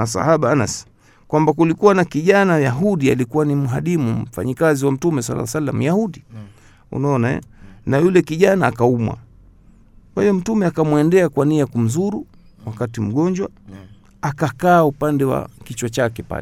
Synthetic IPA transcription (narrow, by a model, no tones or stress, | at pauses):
asa̰haɓaana̰s | kwambakulikuwanakiʄanajaɦuɗia̰likuwanimuɦaɗimum̩fa̰ɲikaziwam̩tumɛsa̰lːa̰salːa̰m̩jahuɗi | ṵnaɔnaɛ̰najulɛkiʄanaːkaumwa̰ | kwahijɔm̩tumɛakamwɛndɛakwaniakum̩zuɾuwakatim̩ɡɔɲd͡ʒwa | akakaːupandɛwa̰kit͡ʃwat͡ʃakɛpa̰lɛ